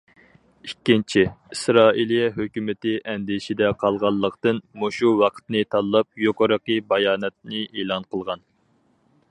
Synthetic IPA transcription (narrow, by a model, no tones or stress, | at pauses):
ikʲːint͡ʃʰiisɾɑːilˠijɛɦøkʲymɪt̪ɪʔɛnd̪ɪʃid̪ɛqʰɑlˠʁɑlˠːəqt̪ɨnmoʃuwɑqʰə̥t̪nɨt̪ʰɑlˠːɑp̚joqəɾəqəbɑjɑːnɛt̪̚nɨʔelˠɑnqʰəlˠʁɑn